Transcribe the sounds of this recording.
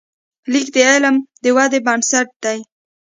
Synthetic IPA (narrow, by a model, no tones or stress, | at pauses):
likd̪əelmd̪əwad̪ebansaʈ̚d̪̥aj